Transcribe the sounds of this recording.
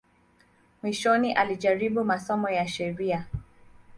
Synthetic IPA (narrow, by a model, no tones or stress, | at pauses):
mwiʃɔniʔaliʄaɾiɓumasɔmɔjaʃɛɾia